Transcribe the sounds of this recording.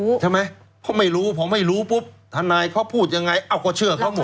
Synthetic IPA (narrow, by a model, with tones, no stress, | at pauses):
t͡ɕʰa˥˩ma˦˥j | pʰɔ˧˩ma˥˩jɾuː˦˥pʰɔː˨˦ma˥˩jɾuː˦˥pu˦˥p̚t̪ʰaː˧naː˧jkʰaː˥˩pʰuː˥˩t̪̚ja˧ŋa˧jʔa˧˩wkʰɔː˧˩t͡ɕʰɯ˥˩ɐkʰaː˧˥˩mo˨˦